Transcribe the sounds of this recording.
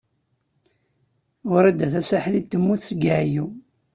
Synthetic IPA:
ʊɾæd̪ːæθæsaħlit̪ːəmːuθsɡaʕju

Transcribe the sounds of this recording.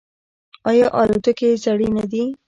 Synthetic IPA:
ɑjɑʔɑlod̪ʊkezaɽinad̪i

